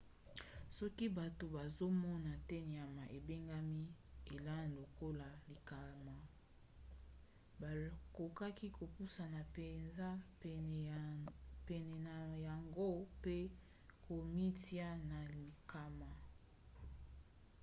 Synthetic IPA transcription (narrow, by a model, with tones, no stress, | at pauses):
sɔ˦ki˦ba˨to˨ba˨zo˦mɔ˦na˨tɛ˦ni˨a˨ma˨ʔe˨be˦ŋɡa˦mi˦e˨la˦na˨lo˨ko˦la˨li˨ka˨ma˨ | ba˨ko˨ka˦ki˦ko˨pu˦sa˨na˨pe˨nza˦˨ | pɛ˨nɛ˨na˨ja˨ŋɡo˦pe˦ | ko˨mi˦ti˦a˦na˨li˨ka˨ma˨